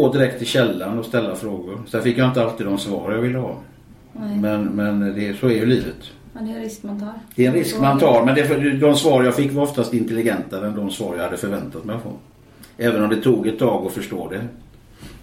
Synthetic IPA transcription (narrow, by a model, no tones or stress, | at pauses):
oːd̪ɪɾɛkt̪ʰɪlɕɛlːanɔst̪ɛlːafɾoːɡʊɾsɛnfɪkːjaɪnt̪əalt̪iːd̪ɔmsvɑ̰ːɾjavɪlːəhɑ̰ː | mɛnmɛnd̪ɛsɔæɾjɵliːvət̪ | d̪̥ɛɛnɾɪskmant̪ʰɑːɾmɛnd̪ɛfd̪ɔmsvɑːɾəjafɪkːvaɾɔft̪ast̪ɪnt̪ɛlːɪɡɛnt̪ad̪ɛnd̪ɔmsvɑ̰ːɾjahad̪ːəfœɾvɛnt̪at̪mɛfɾɔ̰n | ɛːvənɔmd̪ɛt̪ʰuːɡɛt̪ʰːɑːɡɔfœʂʈoːd̪ɛ